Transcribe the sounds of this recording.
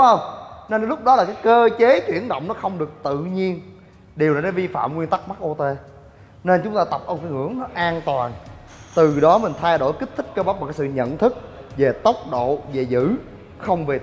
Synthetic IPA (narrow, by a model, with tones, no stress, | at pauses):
ŋ͡mʔə˧˩wŋ͡mne˧nlʊ˦˥k͡p̚ɗɔ˨˦laː˨˩kaː˨˦jkəː˧t͡ɕe˨˦t͡ɕwḭ˧˩ənɗo̰˧˨wŋ͡mnɔ˨˦xə˧wŋ͡mɗɨ˨˩ək̚t̪ɨ̰˧˨ɲi˧ən | ɗi˨˩wla˨˩na˨˦vi˧fa̰ː˧˨mkwi˧ənt̪a˦˥k̚ma˦˥k̚ʔo˧t̪e˧ | ne˧nt͡ɕʊ˨˦ŋ͡mt̪aː˧t̪ə˨˩p̚ʔə˧wŋ͡mfi˧˦ŋɨ̰˧˩əŋnɔ˨˦ʔaː˧nt̪waː˨˩n | t̪ɨ˨˩ɗɔ˨˦mï˨˩ŋ̟t̪ʰa˧jɗo̰˧˩˨jki̟˦˥t̪ʰi˦˥k̟kːəː˧ɓa˦˥p̚mː˨˩kːaː˨˦sɨ̰˧˨ɲə̰˧˨nt̪ʰɨ˦˥k̚ | ve˨˩t̪ə˦˥wk͡p̚ɗo̰˧˨ve˨˩zɨ̰˧˥ | xə˧wŋ͡mve˨˩